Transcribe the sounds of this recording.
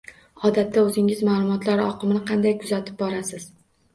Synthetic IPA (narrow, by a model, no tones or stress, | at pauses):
ɒd̪at̪ʰːaɵzɪŋɪzmaːlˠʊmɒt̪laɾɪɒqʰɨmnɪqʰɑnd̪ajkʰʊzat̪ʰɪ̥p̚bɒɾasɪz̥